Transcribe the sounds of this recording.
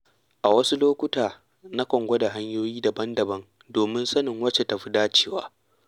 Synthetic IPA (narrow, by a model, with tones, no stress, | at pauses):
ʔa˨wɐ˦su˦loː˦kʷʊ˦taː˨ | na˦kʷɔ˨ŋɡʷɔ˦da˨ɦa˦ɲjoː˦jiː˦dɐ˨bɐ˦ndɐ˨bɐ˦ŋ | doː˨mɪ˦nsɐ˦nɪ˨ŋwɐ˦t͡ʃe˨tɐ˨ɸi˦daː˦t͡ʃe̥ː˦wa̰ː˦